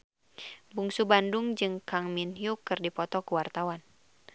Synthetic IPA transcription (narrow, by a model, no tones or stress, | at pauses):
buŋsubandʊŋd͡ʒɨŋkaŋminjukɨrdipɔt̪ɔkuwart̪awan